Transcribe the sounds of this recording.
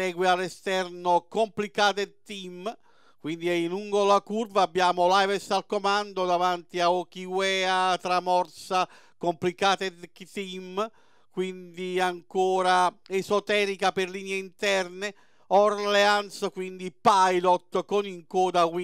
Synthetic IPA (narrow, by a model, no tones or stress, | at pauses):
ɛːɡwealːɛst̪ɛrnokomplikaːt̪̬et̪im | kwind̪iɛinuŋɡolakurvaːbːjaːmolajvɛsalkomand̪od̪avant̪iaɔkiwɛːat̪ɾamɔrsa | komplikaːt̪ekt̪im | kwind̪iaŋkɔːɾaɛzɔt̪ɛːɾikapɪrliːnjeint̪ɛrne | ɔrlɛanskwind̪ipajlɔt̪ːkoniŋkɔːd̪awi